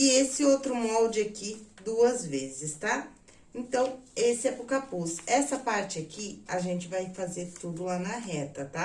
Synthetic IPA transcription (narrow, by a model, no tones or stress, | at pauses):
ɪesɪowt̪ɾʊmɔwd͡ʒɪakid̪uɐzvezɪst̪a | ẽnt̪ɐ̃w̃esɪɛpɾʊkapusɛsɐpaɾt͡ʃɪakiaʒẽnt͡ʃɪvajfazeɾt̪ud̪ʊlanɐɦɛt̪ɐt̪a